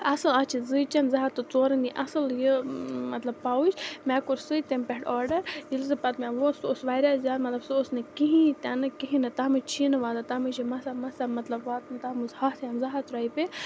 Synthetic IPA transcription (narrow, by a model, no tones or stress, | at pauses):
ɐsɨlɐt͡ʃʰizɨt͡ʃɐnzɐɦat̪ɨt͡soːɾɨniʔɐsɨljəmɐt̪lɐb̚paːwut͡ʃʰmɛːkuɾsɨjt̪empʲeʈɔːɾɖɐɾjilzɨpɐt̪mʲɛʋososʋaːɾʲaːzʲjaːd̪mɐt̪lɐbsɨosnekiɦĩt̪ʲɐnɨkiɦĩnɨt̪ɐɦmɨt͡ʃʰinɨʋaːd̪at̪ɐmɨt͡ʃimɐsamɐsamɐt̪lɐbʋaːt̪nt̪ɐmɨzhasjɐnzɐɦat̪ɾaːipe